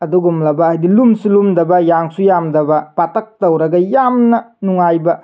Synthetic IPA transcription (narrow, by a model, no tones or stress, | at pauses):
ɐduɡumlɐbɐajdilumsulumdɐbɐjaŋsujamdɐbɐpatɐk̚tɐwɾɐɡɐjamnɐnuŋajbɐ